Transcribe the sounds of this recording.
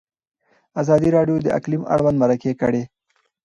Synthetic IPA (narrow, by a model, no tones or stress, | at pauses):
azɑd̪iɾɑɖjod̪əʔa̰klima̰ɽwand̪maɾakekə̰ɽe